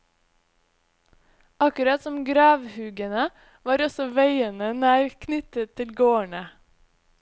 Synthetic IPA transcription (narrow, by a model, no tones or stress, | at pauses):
ɑkʉɾɑt̪sɔmɡɾɑːʋhʉːɡənə | ʋɑːɾɔsɔʋæɪənənæːɾkʰnʏt̪ət̪ʰːɪlɡoːəɳə